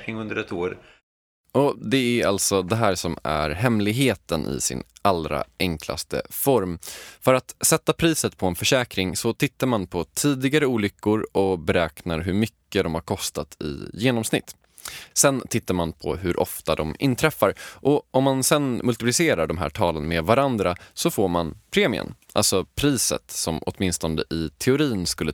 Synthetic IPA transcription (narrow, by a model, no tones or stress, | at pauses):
kɾɪŋɵnd̪əɾɛt̪oːɾ | ʔɔd̪ɛæalt̪sɔd̪ɛɦæːɾsɔmæ̰ɾɦɛmlɪɡɦeːt̪ənʔɪ̰sɪ̰nalɾa̰ʔɛŋkʰla̰st̪ə̰fɔɾmfœɾat̪sɛt̪ːapʰɾiːsət̪pʰɔɛnfœʂɛːkɾɪŋsɔt̪ʰɪt̪ːaɾmanpʰɔt̪ʰiːd̪ɪɡaɾəuːlʏkːʊɾɔbɛɾɛːknaɾɦɵɾmʏkːəd̪ɔmhaɾkʰɔst̪at̪ʰɪ̰jeːnɔmsnɪ̰t̪ː | sɛnt̪ʰɪt̪ːaɾmanpʰɔ̰ɦɵɾʔɔ̰ft̪ad̪ɔmɪ̰nt̪ʰɾɛfːaɾʔɔɔmːansɛnmɵlt̪ɪplɪseːɾaɖɔmɦæ̰ːʈʰɑːlənmed̪vaɾand̪ɾasɔfoːɾmanpʰɾeːmɪ̰ə̰nʔa̰lsɔpʰɾiːsə̰t̪sɔmɔ̰t̪mɪnst̪ɔnd̪əʔɪt̪ʰɛʊɾiːnskɵlːə